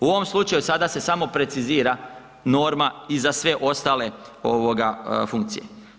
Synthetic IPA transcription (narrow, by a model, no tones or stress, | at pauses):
uo̞ʋo̞mslˠut͡ʃajusad̪ase̞samo̞pɾe̞t̪siziːɾa | no̞ːɾmaizasʋe̞ʔo̞st̪aːle̞oʋo̞ɡafuŋk̚t̪sije̞̰